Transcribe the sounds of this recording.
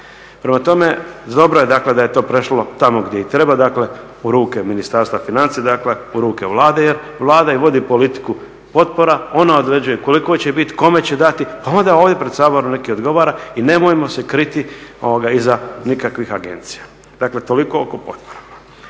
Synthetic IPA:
pɾe̞mat̪o̞me̞d̪o̞bɾoje̞d̪akle̞d̪aje̞t̪o̞ːpɾe̞ʃlo̞t̪amoɡd̪jeit̪ɾe̞bad̪akle̞ | uɾuːke̞minist̪aɾst̪ʋafinant̪sijed̪akle̞uɾuːke̞ʋlˠaːd̪e̞je̞ɾ | ʋlˠaːd̪aiʋo̞d̪ipo̞lit̪i̥ku | po̞t̪̚po̞ɾao̞naod̪ɾe̞d͡ʒujeko̞liko̞t͡ɕe̞bit̪i̥ko̞me̞t͡ɕe̞d̪at̪ipao̞nd̪aoːʋd̪ʲje̞pɾed̪saːboɾumne̞kiod̪ɡo̞ʋaːɾaine̞mojemo̞se̞kɾit̪io̰ʋoɡaizanikakʋixaɡe̞̰nt̪si̥ja | d̪akle̞t̪o̞liko̞okopot̪̚poɾa

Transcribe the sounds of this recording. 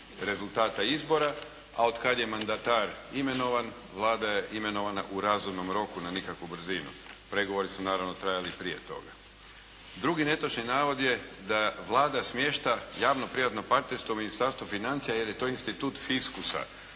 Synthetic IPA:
ɾe̞zulˠt̪aːt̪aizbo̞ɾa | a̰od̪kad̪je̞mand̪at̪aːɾime̞no̞ʋan | ʋlˠaːd̪ajeʔime̞no̞ʋana̰ʔuɾazumno̞mɾo̞kunanikakʋubr̩zinṵ | pɾe̞ɡo̞ʋo̞ɾisunaːɾaʋno̞t̪ɾajalipɾije̞t̪o̞̰ɡa | d̪ɾuɡine̞t̪ot͡ʃninaːʋo̞d̪je̞d̪aʋlˠaːd̪asmje̞ːʃt̪ajaːʋnopɾiʋat̪no̞paɾt̪ne̞ɾst̪ʋouminist̪aɾst̪ʋufinant̪sijaje̞ɾjet̪o̞ːinst̪it̪uːt̪fiskusa̰

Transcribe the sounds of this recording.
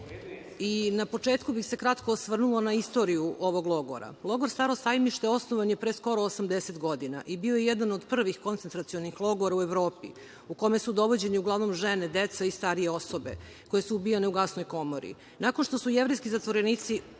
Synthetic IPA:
inapo̞t͡ʂeːt̪kubixse̞kɾat̪kosʋr̩nulo̞naist̪o̞ɾijuʔoʋo̞ɡlˠo̞ɡo̰ɾa̰lˠo̞ɡo̞ɾst̪aɾosajmiʃt̪eo̞snoʋanjepɾesko̞ɾoːsamd̪eset̪ɡo̞d̪ina̰ʔibio̞jejɛd̪anod̪pr̩ʋixko̞nt̪ent̪ɾat̪sio̞nixlˠo̞ɡoɾaueʋɾo̞ːpḭ | ukome̞sud̪o̞ʋo̞d͡ʑe̞niuɡlˠaʋno̞mʒened̪et̪saist̪aɾijeo̞sobe̞̰ | ko̞je̞suubijaneuɡasnojko̞moɾḭ | nakonʃt̪o̞sujevɾejskizat̪ʋoɾeniːt̪si

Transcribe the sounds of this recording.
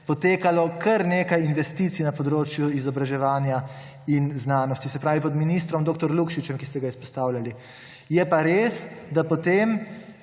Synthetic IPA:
pɔt̪eːkalɔkʰɐɾneːkajinʋɛst̪iːt̪sinapɔd̪ɾoːt͡ʃjuizɔbɾaʒɛʋaːnja | inznaːnɔst̪isɛpɾaːʋipɔd̪minist̪ɾɔmd̪oːk̚t̪ɔɾlukʃit͡ʃɛmkist̪ɛɡaispɔst̪aːwlʲali | jɛpaɾeːsd̪apɔt̪eːm

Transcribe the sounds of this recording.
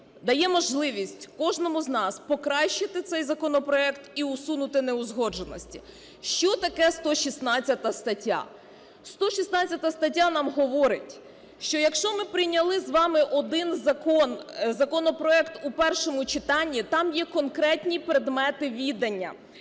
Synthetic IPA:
d̪ɐjɛmɔʒlˠɪʋʲisʲtʲkɔʒnɔmʊznɑspɔkɾɑʃt͡ʃɪt̪ɪt̪sɛjzɐkɔnɔpɾɔɛkt̪iʊsunʊt̪ɪnɛʊzɦɔd͡ʒenɔsʲtʲi̥ | ʃt͡ʃɔt̪ɐkɛst̪ɔʃisnɑt͡sʲɐt̪ɐst̪ɐtʲːa̰ | st̪ɔʃisnɑt͡sʲːɐt̪ɐst̪ɐtʲːanɑmɦɔʋɔɾɪtʲ | ʃt͡ʃɔjɐkʃt͡ʃɔmɪpɾɪjnʲɐlˠɪzʋɑmɪʔɔd̪ɪnzɐkɔnzɐkɔnɔpɾɔɛkt̪upɛrʃɔmʊt͡ʃɪt̪ɑnʲːit̪ɑmjɛkɔnkɾɛtʲnʲipɾed̪mɛt̪ɪʋʲid̪ɐnʲːɐ̰

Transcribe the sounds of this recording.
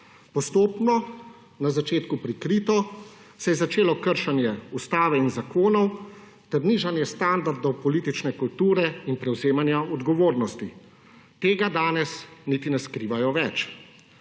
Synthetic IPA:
pɔst̪oːpnɔ | nazat͡ʃeːt̪kupɾikɾiːt̪ɔ | sɛjɛzat͡ʃeːlɔkəɾʃanjɛust̪aːʋɛinzakoːnɔw | t̪ɛɾniːʒanjɛst̪and̪aɾd̪ɔwpɔliːt̪it͡ʃnɛkult̪uːɾɛinpɾɛwzeːmanjaɔd̪ɡɔʋoːɾnɔst̪i | t̪eːɡad̪aːnɛsniːt̪inɛskɾiːʋajɔʋɛt͡ʃ

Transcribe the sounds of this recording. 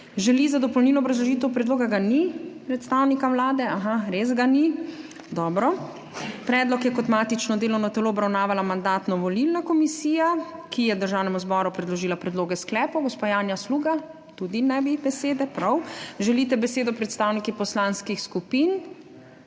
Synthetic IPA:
ʒɛlizad̪ɔpɔlwnilɔɔbɾazlɔʒiːt̪ɛwpɾɛd̪loːɡaɡanipɾɛt̪st̪awnikawlaːd̪ɛaxaɾezɡani | d̪ɔːbɾɔ | pɾɛːd̪lɔkjɛkɔt̪maːt̪it͡ʃnɔd̪eːlɔwnɔt̪ɛloɔbɾawnaːʋalamand̪aːt̪nɔʋɔlilnakɔmisiːjakijɛd̪əɾʒaːwnɛmuzbɔːɾupɾɛd̪lɔʒiːlapɾɛd̪loːɡɛsklɛːpɔwɡɔspajaːnjasluːɡa | t̪ud̪inɛbibɛseːd̪ɛpɾawʒɛlit̪ɛbɛseːd̪ɔpɾɛt̪st̪aːwnikipɔslanskixskupin

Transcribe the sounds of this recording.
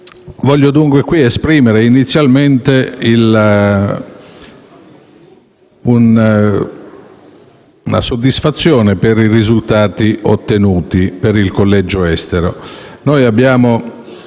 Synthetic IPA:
vɔʎːod̪uŋkwekwiespɾiːmeɾeinit̪sːjalment̪eil | un | na̰sod̪ːisfat̪sːjɔːnepeɾirizult̪aːt̪iʔot̪ːenuːt̪ipeɾilkolːɛd͡ʒoɛst̪eɾo̰nojabːjaːmo

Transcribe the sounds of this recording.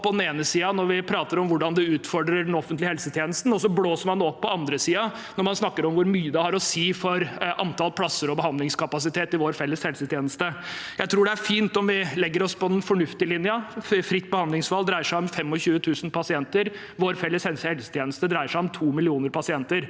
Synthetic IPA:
pʰɔd̪n̩eːnəsiːɑnɔɾʋɪpʰɾɑːt̪əɾɔmʋʊɖɑnd̪ɛʉːt̪fɔɖɾəɖɛnɔfənt̪lɪhɛlsət̪ʰjeːnəst̪n̩ɔsɔbloːsəɾmɑnd̪ːɔpːɔɑnd̪ɾəsiːɑ | nɔɾmɑnsnɑkːəɾɔmʋʊɾmyːəd̪ɛhɑɾɔsiːfɔɾʔɑ̰nt̪ʰɑlpʰlɑsːəɾɔbəhɑnd̪lɪŋskʰɑpɑsɪt̪ʰeːt̪ɪʋoːɾfɛlːəshɛlsət̪ʰjeːnəst̪əjæɪt̪ʰɾuːɖɛæɾfiːnt̪ɔmʋɪlɛɡːəɾɔspɔɛnfɔɳʉft̪ɪəlɪnjəfɾɪt̪ːbəhɑnd̪ɪŋsfɑld̪ɾæɪəʂæɪɔmfɛmːɔçʉːət̪ʰʉːsn̩pɑsɪɛnt̪əɾ | ʋoːɾfɛlːəshɛlsəhɛlsə̥t̪ʰjeːnəst̪əd̪ɾæɪəʂæɪɔmt̪ʰuːmɪlɪuːnəɾpɑsɪɛnt̪əɾ

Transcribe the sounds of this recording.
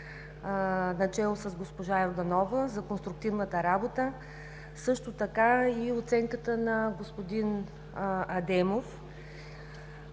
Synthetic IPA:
nɐt͡ʃɛlˠosɐzɡospoʒaoɾd̪ɐnɔvəzɐkonst̪ɾuk̚t̪ivnət̪əɾabot̪ə | sɤʃt̪ot̪ɐkaiot̪sɛŋkət̪ənɐɡospod̪in | ɐd̪ɛmof

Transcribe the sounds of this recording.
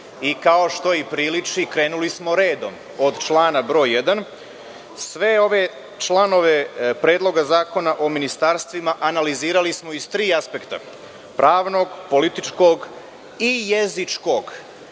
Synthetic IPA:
ikao̞ʃt̪o̞ipɾiːlit͡ʂikɾe̞ːnulismo̞ɾe̞ːd̪o̞̰m | od̪t͡ʃlˠaːnabɾo̞ːjed̪an | sʋe̞o̞ʋe̞ | t͡ʃlˠano̞ʋe̞pɾe̞ːd̪lˠo̞ɡazaːko̞naʔominist̪aɾst̪ʋimaʔanaliziːɾalismo̞izt̪ɾiːaspe̞kt̪a̰ | pɾʔaːʋno̞ɡpo̞lit̪it͡ʃko̞ɡ | ijezit͡ʂko̞ɡ

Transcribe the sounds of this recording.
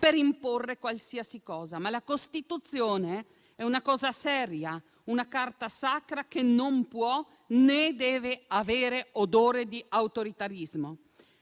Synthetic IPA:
peɾimporːekwalsiasikɔːzamalakost̪it̪ut̪sːjoːne | ɛunakɔːzasɛːɾja | unakart̪asakɾakenompwɔ | ned̪ɛːveaveːɾeod̪oːɾed̪iawt̪oɾit̪aɾizmo

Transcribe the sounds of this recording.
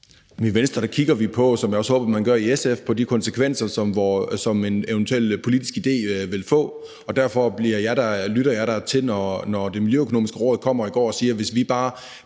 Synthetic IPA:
miʋensd̥ʁɐd̥ækʰiɡ̥ɐʋipʰɒ̽sɒmjɑ̈ɒ̽shɔːb̥ɐmænɡ̥ɶɐiesefpʰɒ̽d̥ikʰɒ̽nsəkʰʋen̰sɐsɒ̽mʋɒsɒ̽me̝neʊnt͡sʰuel̰pʰo̝lid̥isɡ̥id̥e̝̰ːʋe̝lfɔ̰̽ː | ɒ̽d̥æɐ̰fɒ̽b̥liɐjɑ̈ɪɾ̥ɑlyɾɐjɑ̈ɪɾɑ̈t͡sʰe̝lnɒnɒde̝miljøøkʰono̝ːmisɡ̥əʁɔ̰ːðˠkʰɒ̽m̰ɐiɡ̥ɒ̰ːɒ̽siːɐʋe̝sʋib̥ɑ̈ː

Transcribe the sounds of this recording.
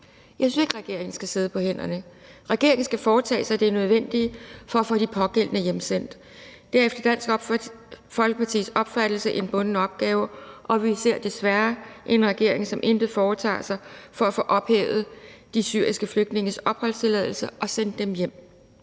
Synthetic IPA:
jɑsynse̝ɡ̥ʁaɡ̥e̝ɐ̰e̝ŋn̩sɡ̥æse̝ð̞ˠəpʰɒ̽hen̰ɐnəʁɛɡ̥e̝ɐ̰eŋn̩sɡ̥æfɒːt͡sʰɛ̰ːsɑ̈ɪd̥e̝ɐnøð̞ˠʋen̰d̥ifɒ̽æfod̥ipʰɒ̽ɡ̥el̰nəjemsen̰d̥ | d̥æɐefd̥ɐd̥æn̰sɡ̥ | fɒ̽lɡ̥əpʰɑt͡sʰḭːsɒ̽b̥fæɾ̥l̩səʔe̝nb̥ɔ̽nnəɒ̽b̥̚ɡ̥ɛːʊɐʔɒ̽ʋise̝ɐ̰d̥e̝sʋæɐʔe̝nʁɛɡ̥e̝ɐ̰e̝ŋsɒ̽mʔe̝nd̥əfɒːt͡sʰɑ̰̈ːsɑ̈ɪfɒ̽æfoːʔɒ̽b̥hḛːʊð̩ˠd̥isy̰ːɐ̰isɡ̥əfløɡ̥d̥ne̝ŋəsɒ̽b̥hɒ̽l̰st͡sʰe̝lɛð̞ˠl̩səʔɒ̽send̥ːemjem̰

